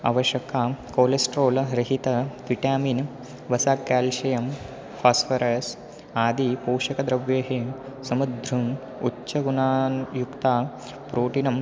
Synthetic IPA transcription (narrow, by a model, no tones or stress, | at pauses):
ɐ̰ʋɐʃjɐkaːkoːlesʈɾoːlɾiɦit̪ɐt̪ʋiʈjaːmiːn | ʋɐsaːkːaːlʃɐjɐm | faːsfɐɾɐːs | aːd̪ipoːʃɐkɐd̪ɾɐʋjeːɦeːm | sɐmud̪ʱɾuŋ | utːʃɐɡunaːnjukt̪aː | pɾoːʈinɐm